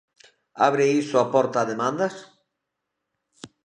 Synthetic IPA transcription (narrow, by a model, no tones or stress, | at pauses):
aβɾeisoapɔɾt̪aːðemãnd̪as